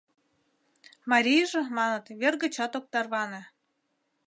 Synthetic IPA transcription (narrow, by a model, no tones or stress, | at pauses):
mɑɾʲijʒɤ̆mɑnɤ̆t̪βʲerɣə̆t͡ɕɑt̪ok̚t̪ɑrβɑnĕ